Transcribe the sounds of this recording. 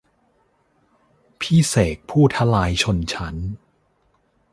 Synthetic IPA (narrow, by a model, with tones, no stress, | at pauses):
pʰiː˥˩seː˨˩k̚pʰuː˥˩t̪ʰa˧laː˧jt͡ɕʰo˧nt͡ɕʰa˦˥n